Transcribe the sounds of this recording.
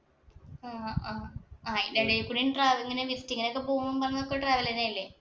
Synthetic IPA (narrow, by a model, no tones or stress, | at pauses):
aaːaːindeɽejkːuɳinʈraːʋiŋːɐneʋistːiŋːɐneokːepoːmɐmpɐrɐŋɲːɐokːeʈraːʋɐlɐnaːjilːe